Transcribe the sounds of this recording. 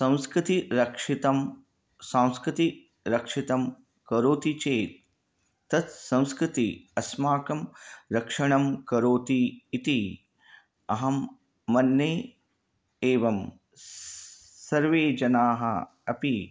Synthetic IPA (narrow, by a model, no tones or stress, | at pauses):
sɐ̃w̃skɾɪt̪iɾɐkʂit̪ɐm | sãːw̃skɾɪt̪i | ɾɐkʂit̪ɐm | kɐɾoːt̪it͡ʃeːt̪ː | ɐt̪sɐ̃w̃skɾɪt̪iɐsmaːkɐmɾɐkʂɐɳɐmkɐɾoːt̪iːt̪i | ɐɦɐmː | ɐnːeː | eːʋɐm | sɐɾʋeːd͡ʒɐnaːɦɐ̰ | ɐpi